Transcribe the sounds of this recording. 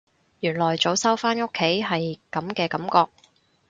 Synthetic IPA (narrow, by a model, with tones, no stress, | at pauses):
jyː˨˩nlɔː˨˩jt͡so˨˥wsɐ˥wfaː˥no˥kʰːe˨˥jɦɐ˨jkɐ˨˥mkɛː˧kɐ˨˥mkɔː˧k̚